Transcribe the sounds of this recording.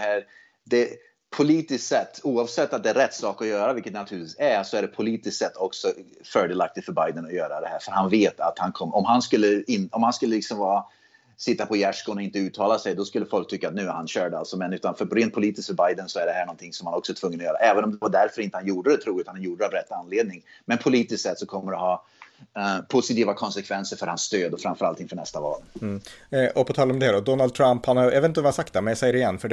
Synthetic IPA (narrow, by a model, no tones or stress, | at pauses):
ɛhæːɾ | d̪ɛ | pʰʊliːt̪ɪssɛt̪ːuːɑːvsɛt̪ːat̪̚d̪ɛæɾɛt̪ːsɑːkɔjœːɾavɪlkːət̪nat̪ʰʉːɾt̪viːsæsɔæɖɛpʰʊliːt̪ɪsk̪sɛt̪ːɔksɔ | fœːɖɛːlak̚t̪ɪɡ̪fœɾbajd̪ənɔjœːɾad̪ɛhæːɾfœɾhanveːt̪a̰t̪hankʰɔmːɔmɦanskɵlːəɪnɔmhanskɵlːəlɪksɔmvɑːa | sɪt̪ːapʰɔjæʂkɔnɔɪnt̪əʉ̟ːt̪ʰːɑːlasɛjd̪ɔskɵlːəfɔlkt̪ʰʏkːaːt̪̚nʉ̟ːæɾhanɕœːɖa̰lsɔmɛnʉːt̪anfœɾɾeːnt̪̚pʰʊliːt̪ɪsk̪fœɾbajd̪ənsɔæɖɛhæːɳɔnt̪ʰɪŋsɔmhanɔksɔɛt̪ʰvɵŋːənɔjœːɾa̰ʔɛːvənɔmd̪ɛvaɖæɾfœɾɪnt̪əhanjuːɖəd̪ɛt̪ʰɾuːlʉːt̪anhanjuːɖəavɾɛt̪ːanːleːd̪̚nɪŋmɛnpʰʊliːt̪ɪst̪sɛt̪ːsɔkʰɔmːəɖɛɦɑː | pʰʊsɪt̪iːvakʰɔnsɛkʰvɛnsəɾfœɾhansːt̪øːd̪ɔfɾamfœɾalt̪ʰːɪŋfœɳɛst̪avɑ̰ːl | ʔɔpʰɔt̪ʰɑːlɔmd̪ɛd̪ɔd̪ɔnald̪̚t̪ʰɾamphanhaɛvet̪ɛsak̚t̪̚ɛmɛnjasɛjɾɪjɛnːfœɖɛ